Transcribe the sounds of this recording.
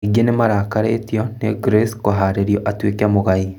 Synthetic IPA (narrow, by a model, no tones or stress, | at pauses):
iɡenemaɾaːkaɾetjɔneɡɾeskoɦaːɾeɾjɔʔatwekamoɣai